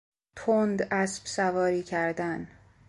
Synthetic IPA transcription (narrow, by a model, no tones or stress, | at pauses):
t̪ʰond̪ʔæsb̥sævɒːɾiːcʰæɾd̪æn